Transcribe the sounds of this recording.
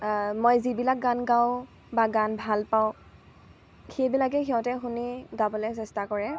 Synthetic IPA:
mojzibilak̚ɡanɡaw | baɡanbʱalpaʊ̃ | xejbilakɛxiɔ̃tɛxuniɡabɔlɛsɛstakɔɹɛ

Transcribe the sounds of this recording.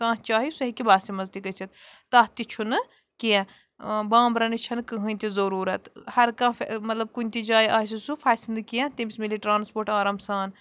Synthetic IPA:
kãːt͡ʃaːɦisuɦikibaːst̪imɐzd̪ikɐt͡sʰit̪t̪ɐɦt̪it͡ʃʰunɨ | keẽ | bãːmbɾɐnit͡ʃʰɐnkɨɦɨːnʲt̪izɐɾuːɾɐt̪hɐɾkãːfmɐt̪lɐb̚kunʲt̪id͡ʒaːjiʔaːs̬isufʰaːsind̪ɨkiẽt̪imʲismiliʈɾaːnspoːɾʈaːɾaːmsaːn

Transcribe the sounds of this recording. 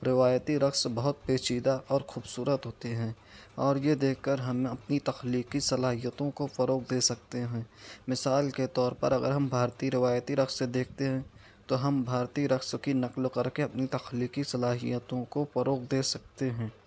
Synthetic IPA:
ɾɪʋaːjt̪iɾɐksbɐɦʊt̪̚peːt͡ʃiːd̪aʔɔːɾxuːbsuːɾət̪ɦoːt̪eɦɛ̃ː | ɔːɾjed̪eːkʰkəɾɦɐmɐpnit̪ɐxliːkisɐlaːɦijət̪õkofɐɾoːqd̪eːsɐk̚t̪eɦɛ̃ːmɪsaːlket̪ɔːɾpɐ̰ɾɐɡə̰ɾɦɐmbʱaːɾt̪iɾɪʋaːjt̪iɾɐksed̪eːk̚ʰt̪eɦɛ̃ | t̪oɦɐmbʱaːɾt̪iɾɐkskinɐqlkɐɾkeɐpnit̪ɐxliːqisɐlaːɦijət̪õkofɐɾoːqd̪eːsɐk̚t̪eɦɛ̃ː

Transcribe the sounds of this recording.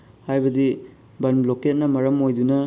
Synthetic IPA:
hajbɐdi | bɐnbloket̚nɐmɐɾɐmojdunɐ

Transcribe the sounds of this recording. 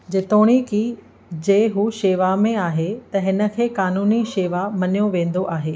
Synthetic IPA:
d͡ʑet̪oːɽ̃iki | d͡ʑeːɦuʃeːʋamẽaːɦet̪ɐɦɪnə̆kʰeːkaːnuːniʃeːʋamɐnijoʋẽːn̆d̪oʔaːɦeː

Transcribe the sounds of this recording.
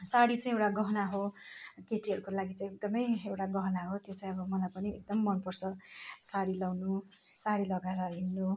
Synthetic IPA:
saɽit͡sãĩewʈaɡʌɦnaɦokeʈiɦʌɾukolaɡit͡saĩek̚d̪ʌmʌjewʈaɡʌɦʌnaɦot̪jot͡sãĩʌbʌmʌlajpʌniek̚d̪ʌmːʌnpʌrt͡sʰʌsaɽilawnu | saɽilʌɡaɾʌɦinːo

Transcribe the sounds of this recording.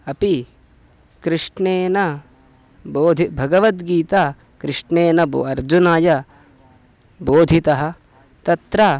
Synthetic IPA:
ɐpi | kɾɪʂɳeːnɐ | boːd̪ʱibʱɐɡɐʋɐt̪ɡiːt̪aː | kɾɪʂɳeːnɐboɐɾd͡ʒunaːjɐ | boːd̪ʱit̪ɐɦɐ̆ | t̪ɐt̪ɾɐ

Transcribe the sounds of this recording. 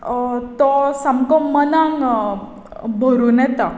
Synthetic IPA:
t̪ɔsəmkɔmːənaŋ | bʱoɾuːnɛt̪a

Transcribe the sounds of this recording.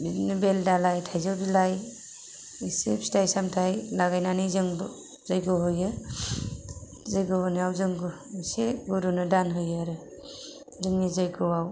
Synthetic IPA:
binibeldalajtʰajzɯwbilaj | sepstʰajsamtʰajlaɡajnanijzɯŋb | zajɡɯwɦɯjɯ | zajɡɯbaniawzɯŋɡu | iseɡoɾunɯdanɦɯjaɾɯ | zɯŋnizajɡɯwaw

